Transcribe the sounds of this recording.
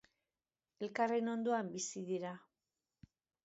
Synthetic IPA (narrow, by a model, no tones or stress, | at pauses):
e̞lkare̞no̞nd̪oambisiðiɾa